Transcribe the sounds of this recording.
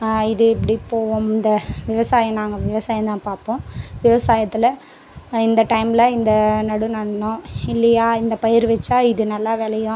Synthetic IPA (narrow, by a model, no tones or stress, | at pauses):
ɪðɯɪpːɐɽipːoːʋʊmɪnd̪ɐʋɪʋɐsaːjɐ̃naːŋɡɐʋɪʋɐsaːjɐ̃t̪ãːpaːɾpõːʋɪʋɐsaːjɐt̪ːɪlɐ | ɪnd̪ɐʈɐɪmlɐɪnd̪ɐnɐɽunɐɳːʊ̃ɪlːɐjaːɪnd̪ɐpɐjɐɾʋɛt͡ʃːaːɪðɯnɐlːaːʋeːlɐjʊ̃